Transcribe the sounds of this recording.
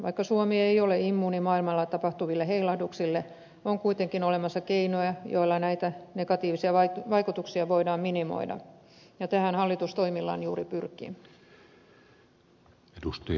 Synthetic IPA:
ʋɑikːɑsuomiɑejoleimːuːnimɑːilmɑlːɑt̪ɑpɑht̪uʋilːeheilɑhduksilːe | oŋkuit̪eŋkinolemɑsːɑkeinojɑjo̰ilːɑnæit̪ænekɑt̪iːʋisiɑʋɑʋɑikut̪uksiɑʋoidɑːmminimo̰idɑ̰jɑt̪æhænhɑlːit̪ust̪oimilːɑ̰ːnjuːripyrkˑḭ | edust̪ɑ

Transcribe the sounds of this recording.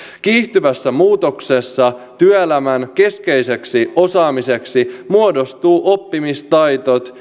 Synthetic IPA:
kiːht̪yʋæsːæmuːt̪o̞kse̞sːɑt̪yæelæmænke̞ske̞jse̞ksio̞sɑːmise̞ksimuodo̞st̪uːʔo̞pːimist̪ɑjt̪ot̪

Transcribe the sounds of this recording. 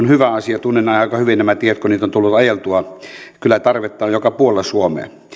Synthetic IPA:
onhyʋæɑsiɑt̪unːenɑˑeɑˑkɑhyʋinnæmæt̪ieæt̪koniːt̪ont̪ulːut̪ɑjelt̪uɑkylːˑæt̪ɑrʋet̪ːˑɑːjjokɑpuolːɑsuomḛː

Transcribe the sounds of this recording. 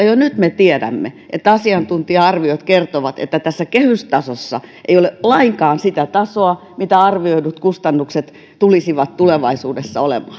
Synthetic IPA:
ɑjonyt̪met̪iɛdæ̰mːḛ | ʔḛt̪ːɑsiɑnt̪unt̪iɑɑrʋiot̪kert̪oʋɑt̪ḛt̪ːæt̪æsːækehyst̪ɑsosːɑ̰ʔeijolelɑiŋkɑːnsit̪æt̪ɑsoɑ | mit̪æɑrʋioinut̪kust̪ɑnːukset̪ | t̪ulisiʋɑt̪t̪uleʋɑisuːdesːɑolḛmɑː

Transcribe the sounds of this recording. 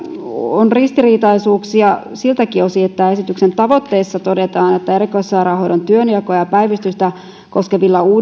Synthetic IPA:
onrist̪iriːt̪ɑisuːksiɑsilt̪ækiosiet̪ːæe̞sit̪yksent̪ɑʋot̪ːeːsːɑt̪odet̪ɑːnet̪ːæerikoisːɑiɾɑːhoidont̪yøniɑkoɑjɑpæiʋist̪yst̪æ | koskeʋilːɑuː

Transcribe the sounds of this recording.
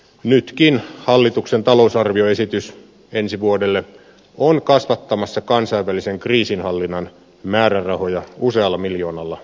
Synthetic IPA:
nyt̪kinhɑlːit̪uksent̪ɑlousɑrʋio̞e̞sit̪ys | ensiʋuodelːe | onkɑsʋɑt̪ːɑmɑsːɑkɑnsɑiʋːæliseŋkriːsinhɑlːinːɑn | mæːɾærɑhojɑuseɑlːɑmiljo̞ːnɑlːɑ

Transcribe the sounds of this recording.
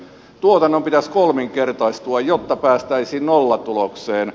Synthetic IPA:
t̪uot̪ɑnːompit̪æskolmiŋkert̪ɑist̪uɑjjot̪ːɑpæːst̪æisiːnnolːɑt̪ulokseːn

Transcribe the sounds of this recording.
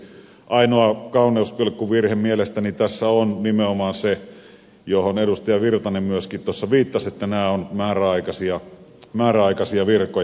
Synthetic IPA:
ʔɑinoɑkɑˑunˑeˑuskolekkuʋʋirhemmielest̪ænit̪æsːæonnimeomɑːnse | johonedust̪ɑjɑʋirt̪ɑnemyøskit̪uosːɑʋiːt̪ːɑset̪ːænæːonmæːræɑˑikɑsiɑ | mæːræɑˑikɑsiɑʋirkˑoj

